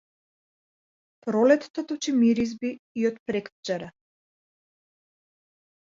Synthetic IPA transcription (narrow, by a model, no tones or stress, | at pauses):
pɾɔlɛt̪ːat̪ɔt͡ʃimiɾizbiːɔt̪pɾɛkd͡ʒaɾa